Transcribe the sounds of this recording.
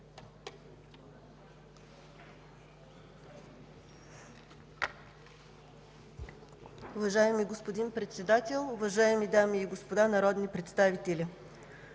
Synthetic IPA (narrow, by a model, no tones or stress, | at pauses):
ʊvɐʒaɛmiɡospod̪inpɾɛt̪sɛd̪at̪ɛlˠʊvɐʒaɛmid̪amiːɡospod̪anɐɾɔd̪nipɾɛt̪st̪avit̪ɛlʲi